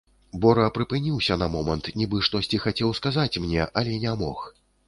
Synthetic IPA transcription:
bɔɾɐpɾɨpɨnʲiwsʲɐnɐmɔmɐnt̪nʲibɨʂt̪ɔsʲt͡sʲixat͡sʲɛwskazat͡sʲmnʲɛʔɐlʲɛnʲamɔ̰x

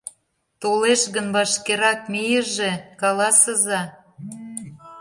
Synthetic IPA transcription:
t̪oleʃɣənβɑʃkeɾɑk̚mijəʒekɑlɑsəzɑ

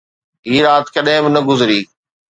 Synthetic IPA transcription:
ɦiːɾaːt̪kɐɗɦɪ̃bɪnɐɡʊzɾiː

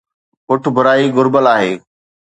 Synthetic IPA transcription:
kʊʈʰbʱʊɾaːiɡʊɾbəlaːɦeː

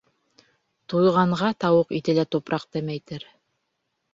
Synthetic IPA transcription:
t̪ujʁɑɴʁɑt̪ɑwɤqit̪ɘlæt̪upɾʔɑq̚t̪æmæjt̪ɘɾ

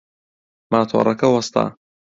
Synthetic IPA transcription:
maːt̪ʰo̰ːrˤɐkɐwɐst̪a̰ː

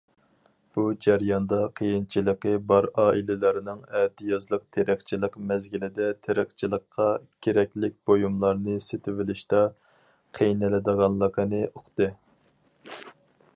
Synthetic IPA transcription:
b̥ud͡ʒæɾjɑnd̪ɑqʰəjint͡ʃʰilˠəqəbɑɾɑːʔilɪlɪɾɪnɪŋɛd̪ijɑzlˠəq̚t̪ʰeɾɪχt͡ʃʰilˠəqmɛzɡʲilɪd̪ɛt̪ʰeɾɪχt͡ʃʰilˠəqʰːɑkʲʰeɾɛkʲlɪk̚ʲb̥ojumlˠɑɾnɨset̪ʰɪvɪlɪʃt̪ɛ | qʰejnɪlɪd̪əʁɑnlˠəqʰənɨʔoχt̪ɨ

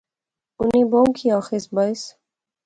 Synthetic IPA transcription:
uniboːmkʰiaːxesbajs

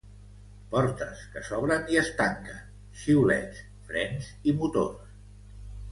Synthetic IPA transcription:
pɔɾt̪əskəsɔβɾəniəst̪aŋkə | ʃiwlɛ̰t̪s | fɾɛnzimut̪o̰rs

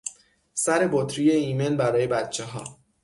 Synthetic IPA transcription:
sæɾe̞bot̪ʰɾije̞iːme̞nbæɾɒːje̞bæt̪̚t͡ʃʰe̞ɦɒː

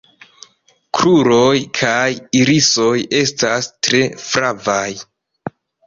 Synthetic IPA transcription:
kɾuɾojkʰajiɾiso̞je̞stastɾe̞fɾavaj

